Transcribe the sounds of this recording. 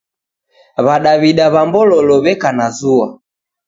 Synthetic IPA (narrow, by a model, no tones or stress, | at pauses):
βaɗaβiɗaβambɔlɔlɔβɛkanazua